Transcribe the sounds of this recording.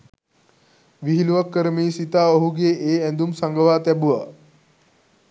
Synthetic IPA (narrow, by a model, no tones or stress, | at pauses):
ʋiɦiluʋəkːəɾmiːsit̪aoɦuɡeʔeːɛ̃nd̪umsaŋɡəʋaːt̪ɛbuʋa̰